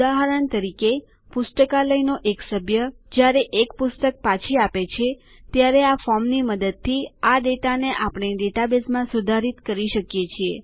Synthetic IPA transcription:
d̪aɦəɾəɳt̪əɾike | pʊsʈ̪əkaləjnoʔeksəbʱjə | d͡ʒjaɾeʔekpʊst̪ək̚pat͡ʃʰiapet͡ʃʰe | t̪jaɾeafɔmniməd̪əd̪̚t̪ʰːiaɖeʈaneʔapɳ̃eɖeʈabesmãsud̪ʱaɾit̪kəɾiʃəkjet͡ʃʰie

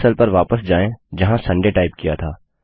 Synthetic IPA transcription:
səlpɐɾʋaːpəsd͡ʒaːẽd͡ʒɐɦãsɐ̃ɳɖeːʈaːɪb̚kijat̪ʰaː

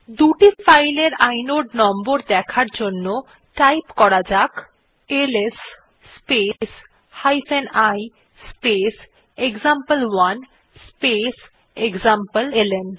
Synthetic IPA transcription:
d̪uʈifajleɾajnoɖnɔmboɾd̪ɛkʰaɾd͡ʑonːo | ʈajpkɔɾad͡ʑak | elesː | pes | hajfenaj | spes | eɡzampəlwan | spes | eɡzampəlelen

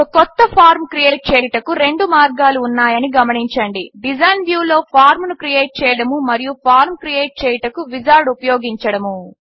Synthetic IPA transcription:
okɔt̪ːɐpʰaːɾmkɾijeːʈ̚t͡ʃɛːjʈɐkuɾe̞ɳɖumaːɾɡaːluːnːaːjɐniɡɐmɐɳiɲt͡ʃɐɳɖiɖid͡ʒɐjnʋjuːlo̞ːpʰaːɾmnukɾijeːʈ̚t͡ʃɛːjɐɽɐmumɐɾijupʰaːɾmkɾijeːʈ̚t͡ʃɛːjɐʈɐkuʋid͡ʒaːɾɖupɐjoːɡiɲt͡ʃɐɽɐmu

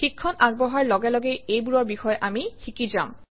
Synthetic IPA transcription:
xikʰːɔnaɡ̚bɔɦaɹlɔɡɛlɔɡejejbuɹɔɹbixɔjʔamixikizam

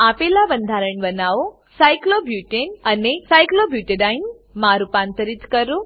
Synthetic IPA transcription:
apelabənd̪ʱaɾəɳbənaʋo | sajklobjuʈenənesajklobjuʈeɖajn | maɾupãnt̪əɾit̪kəɾũ

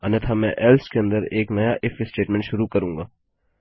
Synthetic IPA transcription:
ɐnet̪ʰamɛ̃ʔɛːlskeɐ̃nd̪əɾeːknɐjaʔɪfesʈeːʈmɛ̃ɳʈʃʊɾukɐɾũːŋɡaː

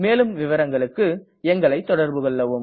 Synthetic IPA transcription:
meːlɯmʋɪʋɐɾɐŋɡɐɭɯkːɯ | ɛŋɡɐɭɐɪt̪ːɔɽɐɾbɯɣɔɭːɐʋɯm

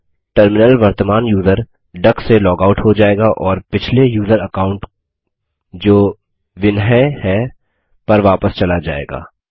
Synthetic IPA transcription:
ʈəɾmɪnəlʋɐɾt̪əmaːnjuːzəɾ | ɖɐkselɔːɡaːʊʈɦod͡ʒaːeːɡaʔɔːɾpɪt͡ʃʰlejuːzəɾɐkaːʊ̃ɳʈ | d͡ʒoː | ʋɪnɦɛhɛ | pɐɾʋaːpəst͡ʃɐlad͡ʒa̰ːḛːɡa̰ː

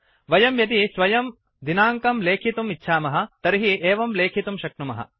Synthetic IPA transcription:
ʋɐjɐmjɐt̪̬isʋɐjɐm | d̪inaːŋkɐmleːkʰit̪umitːʃʰaːmɐɦɐ̆t̪ɐɾiɦieːʋɐmleːkʰit̪umʃɐkɳumɐ̰ɦɐ̰

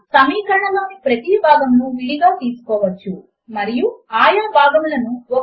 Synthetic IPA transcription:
sɐmiːkɐɾɐɳɐloːnipɾɐt̪ibʱaːɡɐmnuʋiɽiɡaːt̪iːsu̥kɔːʋɐt͡ʃːu | mɐɾijuaːjɐbʱaːɡɐmlɐnuɔ

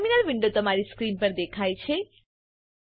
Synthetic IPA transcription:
minəlʋiɳɖot̪əmaɾiskɾinpəɾd̪ekʰajt͡ʃʰe

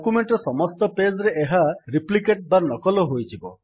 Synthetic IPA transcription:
kumeɳʈɔsɔmɔst̪ɔped͡ʒɔɾeʔeɦaɾiplikeʈ̚banɔkɔlɔɦojtʰibɔ

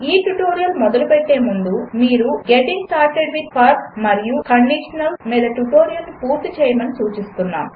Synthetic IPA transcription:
iːʈuʈoːɾijɐlmɔd̪ɐlupɛʈːe̞ːmund̪umiːɾuɡeʈiŋɡsʈaːɾʈeɖʋid̪̚paːɾkmɐɾijukɐɳɖiʂɐnɐlmiːd̪ɐʈuʈo̞ːɾijɐlnipuːɾt̪it͡ʃɛːjɐmɐnisuːt͡ʃist̪unːa̰ːm

